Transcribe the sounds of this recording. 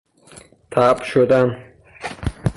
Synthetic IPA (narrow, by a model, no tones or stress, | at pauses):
t̪ʰaːpʃod̪an